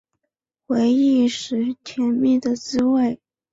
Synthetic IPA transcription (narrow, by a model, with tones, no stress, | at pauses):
xwe˧˥ɪi˥˩ʂɻ̩˧˥t͡ɕʰjɛ˧˥nmi˥˩d̪ə˩t͡sɹ̩˥we˥˩ɪ